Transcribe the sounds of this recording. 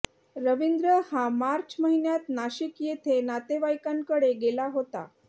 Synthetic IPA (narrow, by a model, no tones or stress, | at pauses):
ɾəʋind̪ɾəhamaɾt͡ɕməɦinjat̪naɕikjet̪ʰenat̪eʋajkaŋkəɽeɡelaɦot̪a̰